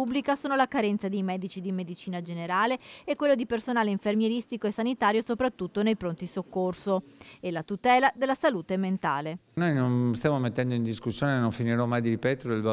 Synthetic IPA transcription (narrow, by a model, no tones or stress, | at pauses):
ublikasoːnolakaɾɛnt̪sad̪ejmɛːd̪it͡ʃid̪imed̪it͡ʃiːnad͡ʒeneɾaːleɛkːwelːod̪ipersonaːleiɱfermjeɾist̪ikoesːanit̪aːɾjosopɾat̪ːut̪ːonejpɾont̪isokːorsoelat̪ut̪ɛːlad̪elːasaluːt̪ement̪a̰ːlenojnonst̪jaːmomet̪ːɛnd̪oind̪iskusːjoːnenoɱfiniɾɔmːajd̪iɾipɛt̪od̪elba